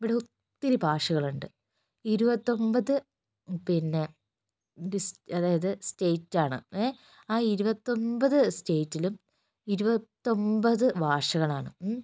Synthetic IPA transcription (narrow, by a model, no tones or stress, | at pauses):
iʋiɽeut̪ːiɾibʱaːʂɐɣɐɭuɳɖɨ | iɾubɐt̪ːo̞mbɐðɨ | pinːe̞ | isɐðaːjɐðɨstejtːaːɳɨ̰e | aːiɾubɐt̪ːo̞mbɐðɨste̞ːtːilum | iɾubɐt̪ːo̞mbɐðɨbʱaːʂɐɣɐɭaːɳɨ